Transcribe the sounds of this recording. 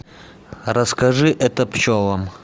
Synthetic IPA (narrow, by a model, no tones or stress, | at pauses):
rɐskɐʐɨʔɛt̪əpt͡ɕovɐm